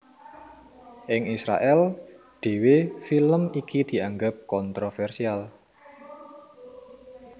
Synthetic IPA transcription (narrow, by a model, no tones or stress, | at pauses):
ʔɪŋisɾa̰ʔɛl | ɖ̪̥e̤wefiləmikid̪̥i̤aŋɡap̚kɔnt̪ɾofɛrsial